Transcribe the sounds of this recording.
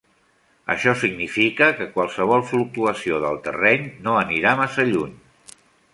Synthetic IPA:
ə̰ʃɔsiɡnifikəkəkwalˠsəβ̞ɔlˠfluk̚t̪uəsioðəlˠt̪ə̰rɛɲnoəniɾamasəʎuɲ

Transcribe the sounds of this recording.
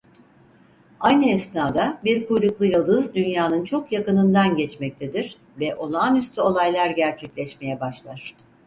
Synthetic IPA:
ajnɯɛsnaːd̪abiɾkujɾuklˠɯjalˠd̪ɯzd̪ynjaːnɯnt͡ʃʰo̞kjakɯnɯnd̪anɟɛt͡ʃmɛc̚t̪ʰed̪iɾ̥ | vɛʔo̞nuanyst̪ʰyo̞lˠajlˠaɾɟæɾt͡ʃʰɛclʲɛʃme̞jɛbaʃlˠaɾ̥

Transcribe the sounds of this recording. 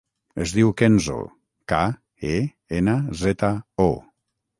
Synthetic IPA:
ezðiwkenzo̰ | ka | e | enazet̪ao

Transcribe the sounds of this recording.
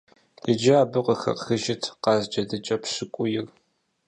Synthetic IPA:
d̥ɨd͡ʒɐaːbɨqʷəxɐ̰qxɨʒɪtʰqɑːzd͡ʒɐdɨt͡ʃʼɐpʰɕɪkʷʼʊjɪr

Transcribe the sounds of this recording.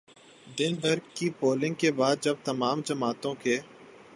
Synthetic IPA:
d̪ɪnbəɾɡkipoːlɪ̃ŋɡ̚kebaːd̪̚d͡ʒɐb̚t̪ɐmaːmd͡ʒɐmaːt̪õkeː

